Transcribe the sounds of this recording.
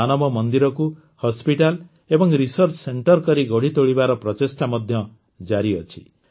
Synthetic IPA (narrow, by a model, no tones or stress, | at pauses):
anʌbɔmʌnd̪iɾɔku | hɔspiʈal | ebɔŋɾisʌɾt͡ʃʰseɳʈʌrkʌɾiɡɔɽ̤it̪oɽibaɾɔpɾɔt̪esʈamʌd̪ʱjʌ | d͡ʒaɾiʌt͡ʃʰi̥̰